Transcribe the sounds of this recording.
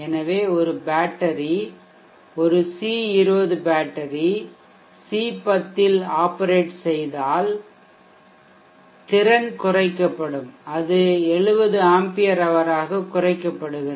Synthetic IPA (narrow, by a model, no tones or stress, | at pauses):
ɛnɐʋeːɔɾɯbaːʈːɐɾi | ɔɾɯsiːɪɾɯbɐðɯbaːʈːɐɾi | siːpɐt̪ːɪlaːpːɐɾeːʈsɛjðaːl | t̪ɪɾɐnkʊrɐɪkːɐpːɐɽɯmɐðɯɛɭɯʋɐðɯaːmpɪjɐɾɐʋɐɾaːɣɐkʊrɐɪkːɐpːɐɽɯɣɪɾɐ